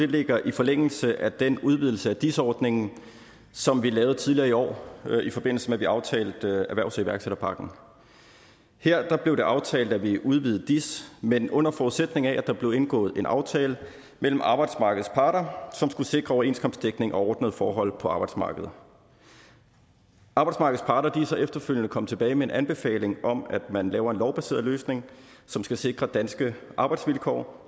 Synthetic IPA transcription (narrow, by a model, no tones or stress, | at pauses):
d̥e̝le̝ɡ̥ɐʔifɒ̽leŋ̰l̩səʔæd̥enuð̞ˠʋið̰ˠl̩səæd̥isɒːd̥ne̝ŋn̩ | sɒ̽mʋilɛːʊð̩ˠt͡sʰiðˠliɐːiɒ̰ːifɒ̽be̝n̰l̩səmeʋiɑ̈ʊt͡sʰɛ̰ːld̥æʋæɐʊsiʋæɐɡ̥seɾ̥ɐpʰɑ̈ɡ̥n̩ | heɐ̰d̥ɑ̈b̥le̝ʊɾ̥e̝ʔɑ̈ʊt͡sʰɛ̰ːld̥æʋiʔuð̞ˠʋið̩ˠd̥ismenɔ̽n̰ɐfɒuðˠsed̥ne̝ŋææd̥ɑ̈b̥le̝ʊe̝nɡ̥ɔ̰̽ːð̩ˠe̝nʔɑ̈ʊt͡sʰɛːlə | mel̰m̩ɑ̈ːb̥ɑ̈ɪd̥smɑ̈ːɡ̥əð̞̩ˠspʰɑ̈ːɾɐsɒ̽msɡ̥use̝ɡ̥ʁɐɒʊɐe̝ːnskʰɒ̽msd̥eɡ̥ne̝ŋʔɒ̽ɒːd̥nəð̞̩ˠfɒːɦɒ̽l̰pʰɒ̽ɑ̈ːb̥ɑ̈ɪd̥smɑ̰̈ːɡ̥əð̩ˠ | ʔɑ̈ːb̥ɑ̈ɪdsmɑ̈ːɡəð̩ˠspʰɑ̈ɾ̥ɐliːsɐefd̥ɐføljənəkʰɒ̽mət͡sʰe̝b̥ɛːɪmee̝nʔænb̥e̝fɛ̰ːle̝ŋɒ̽mæd̥mænlɛːʊɐe̝nlɒʊb̥æse̝̰ɐðˠløːsne̝ŋsɒ̽msɡ̥æse̝ɡ̥ʁɐd̥ænsɡ̥əʔɑ̈ːb̥ɑ̈ɪd̥sʋilkʰɒ̰ː